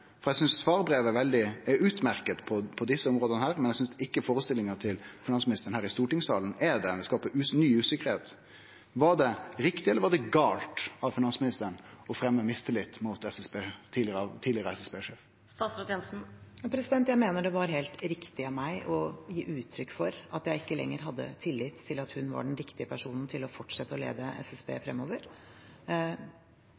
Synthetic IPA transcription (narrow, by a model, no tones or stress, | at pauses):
fɔɾɛɪsʏnsfɑːɾbɾeːʋɛʋɛld̪ɪɛʉːt̪mæɾkət̪pʰɔpʰɔd̪ɪsːəɔmʁoːd̪ənəhæːɾmɛnjɛɡsʏnsd̪ɪkːəfoːɾəst̪ɪlːɪŋət̪ʰɪlfɪnɑnsmɪnɪst̪əɾnhæːɾɪst̪uːʈɪŋsɑ̰ːlənɛd̪ɛd̪ɛskɑːpəʉnyːʉːsɪkːəɾheːt̪ | ʋɑɖɛɾɪkt̪ɪɛlːəʋɑɖɛɡɑːlt̪ɑʋfɪnɑnsmɪnɪst̪əɾəɳɔfɾɛmːəmɪst̪əlɪt̪ːmʊt̪ɛsɛsbeːt̪ʰiːɪt̪ʰiːlɪəʁəɛsɛsbeːʂeːf | sɑːsɑt̪jɛnsn̩jɑːpʰɾɛsɪd̪ɛnt̪jæɪmeːnəɖɛʋɑɾɦeːlt̪ɾɪkt̪ɪɑʋmæɪʔɔjiːʔʉːt̪ʰːɾʏkːfɔɾɑt̪jæɪɪkːəlɛ̰ŋːəɾɦɑd̪ːə̰t̪ʰɪlːɪt̪ʰːɪlɑt̪hʉnʋɑ̰ɖɛnɾɪkt̪ɪəpʰæʂuːnn̩t̪ʰɪlɔfɔʈʂɛt̪ːəɔlḛːd̪əʔɛ̰sɛsbḛːfɾɛmːoːʋəɾ